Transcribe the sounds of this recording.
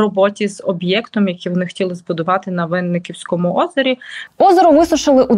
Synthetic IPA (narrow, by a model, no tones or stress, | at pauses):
ɔbɔtʲizɔbjɛkt̪ɔmjɐkʲiʋɔnɪxtʲilˠɪzbʊd̪ʊʋɑt̪ɪnɐʋɪnːɪkʲiwsʲkɔmʊʔɔzɔɾʲiɔzɔɾʊʋɪsʊʃɪlˠɪʔu